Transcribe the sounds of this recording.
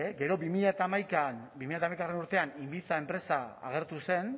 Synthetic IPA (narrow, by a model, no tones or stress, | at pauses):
ɡe̞ɾo̞bimiʎat̪amajkanbimiʎat̪amajkarenuɾt̪e̞animbit͡sae̞mpɾe̞saa̰ɣ̞e̞ɾt̪use̞n